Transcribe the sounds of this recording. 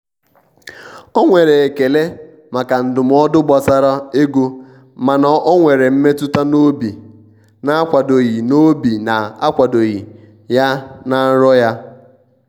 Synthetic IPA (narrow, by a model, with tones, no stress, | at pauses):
ɔ˦ŋʷe˨ɾe˨e˨ke˨le˦ | ma˨ka˨n̩˨dʊ˨m̩˦ɔ˦dʊ˦ɡ͡bɔ˨sa˦ɾa˦e˦ɡo˦ | ma˨na˨ʔɔ˦ŋʷe˨ɾe˨m̩˦me˦tʊ˦ta˦no˦bi˨ | na˨a˦kʷa˨do˨ɣi˨no˦bi˨na˨a˦kʷa˨do˨ɣi˨ | ja˦na˨n̩˦ɾɔ˦ja˦